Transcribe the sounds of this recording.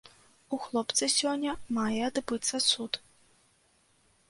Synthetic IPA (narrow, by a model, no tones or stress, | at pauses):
uxlˠɔpt̪sɨsʲɔnʲːɐmajɛad̪bɨt̪sːɐsut̪